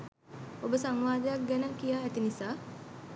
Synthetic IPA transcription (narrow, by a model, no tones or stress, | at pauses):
obəsaŋʋaːd̪əjak̚ɡɛnəkijaːæt̪inisaː